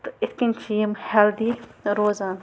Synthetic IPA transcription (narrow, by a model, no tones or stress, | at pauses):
t̪ɪt̪ʰkinʲt͡ʃʰiːmhɛld̪iɾoːzaːn